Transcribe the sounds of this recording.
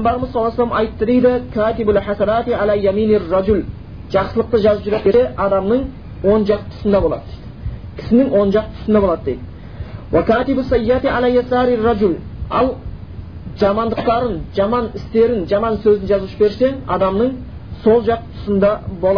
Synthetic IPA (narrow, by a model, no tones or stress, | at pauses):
mbɑɾəməzsɑlˠɑslˠɑmɑjt̪ːəd̪ejd̪ɪkʲʰaːt̪ɪbʊlħasanɑt̪ʕalajaminɪrːɑd͡ʒʊl | ʒɑqsəlˠəq̚t̪əʒɑzəpʒʏɾep̪eɪʔɑd̪ɑmnəɴ | wo̞nʒɑqt̪ʰʊ̥sənd̪ɑbo̞lˠɑ̰d̪əd̪̥ | kʲʰɪ̥sɪnɪŋwo̞nʒɑq̚t̪ʰʊ̥sənd̪ɑbolˠɑd̪əd̪ejd̪ɪ | wakʲʰæːt̪ɪbʊsːɑjːat̪iʕalajasɑːɾɪrːɑd͡ʒʊlɑ̰lˠ | ʒ̥ɑmɑnd̪əq̚t̪ɑɾənʒ̥ɑmɑnɪst̪e̞ɾɪnʒɑmɑnsɵzɪnʒɑzuʃəbe̞ɾse̞ŋɑ̰d̪ɑmnəɴ | so̞lˠʒɑq̚t̪ʰʊ̥sənd̪ɑbo̞lˠɑ